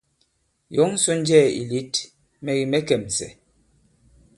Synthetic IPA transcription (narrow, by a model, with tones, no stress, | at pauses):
jɔ˨˦ŋ̩˦sɔ˦n̩˦d͡ʒɛː˦˨ḭ˨li˦t | mɛ˨ɣi˨mɛ˦kɛ˨msɛ̰˨